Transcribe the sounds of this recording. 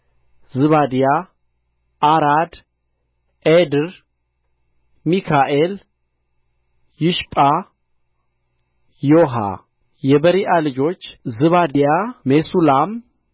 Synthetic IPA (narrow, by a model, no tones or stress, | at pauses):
zɨβad̪ija | ʔaɾad̪ | ʔed̪ɨɾ | mikʰaʔel | jɪʃpʼa | joɦa̰ | jɛbəɾiʔalɨd͡ʒo̞t͡ʃːzɨβad̪jamesulam